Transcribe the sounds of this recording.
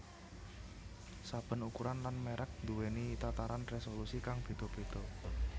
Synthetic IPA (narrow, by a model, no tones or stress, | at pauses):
sab̥ə̤nukuɾanlanmeɾʔək̚d̪̥uwenit̪at̪aɾanresolusikaŋb̥e̤d̪̥o̤b̥e̤d̪̥ɔ